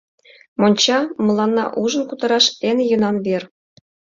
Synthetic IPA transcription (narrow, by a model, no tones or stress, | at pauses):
monʲt͡ɕɑmɤ̆lˠːɑnːɑ̰ʔuʐɤ̆nkut̪ɑɾɑʂenʲjɤ̆nɑnβʲerʲ